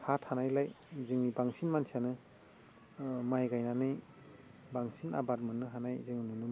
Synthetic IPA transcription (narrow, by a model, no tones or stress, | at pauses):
hathanajlaj | zɯŋnibaŋsinmansianɯ | majɡajnanɯj | baŋsina̰bat̚mɯnːɯɦanajzɯŋinɯnum